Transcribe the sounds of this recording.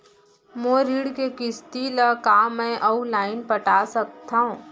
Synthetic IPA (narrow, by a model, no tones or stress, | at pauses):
moɾiːɽkekɪst̪ilakaːmɛ̃ʔɔulaːɪnpɐʈaːsɐk̚t̪aɦũː